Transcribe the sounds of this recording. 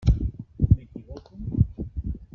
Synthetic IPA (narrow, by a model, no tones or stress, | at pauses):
mekiβokom